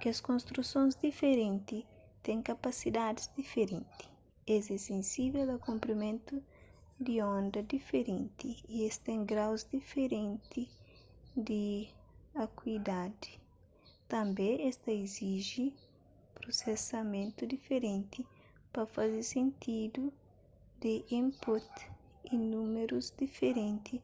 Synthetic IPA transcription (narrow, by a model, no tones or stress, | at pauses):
keɐskõnst̪ɾusõnzd̪ifeɾẽnt̪i | t̪ẽŋkapasid̪ad̪izd̪ifeɾẽnt̪i̥ | ezɛsẽnsivelɐkõmpɾimẽnt̪u | d̪iõnd̪ɐd̪ifeɾẽnt̪iiest̪ẽŋɡɾawzd̪ifeɾẽnt̪i | d̪i | akwid̪ad̪i̥ | t̪ɐ̃mbeest̪ɐeziʒi | pɾosesɐmẽnt̪ud̪ifeɾẽnt̪i | pafazesẽnt̪ʰid̪u | d̪eʔĩmput̪ | inũmeɾuzd̪ifeɾẽnt̪i